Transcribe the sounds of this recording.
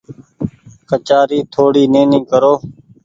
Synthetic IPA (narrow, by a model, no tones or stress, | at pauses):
kət͡ʃaːɾiːt̪ʰoːɽiːnẽːnĩːkəɾoː